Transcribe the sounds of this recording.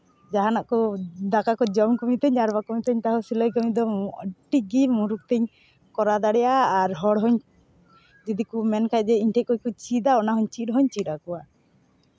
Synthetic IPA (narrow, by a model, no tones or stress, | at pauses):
d͡ʒaɦanaʔkɔd̪akakɔd͡ʒɔmkɔmit̪ɛɲaɾbakɔmit̪ɛɲt̪aɦɔsilɔjkɔmid̪ɔʈiɡimuɾuk̚t̪ɛɲ | kɔɾad̪aɽɛjaːɾɦɔɽɦɔɲ | d͡ʒid̪ikumɛnkajd͡ʒɛiɲʈʰɛkɔkɔt͡ʃid̪aɔnaɦɔɲt͡ʃiʈɦɔɲt͡ʃiɗakɔwa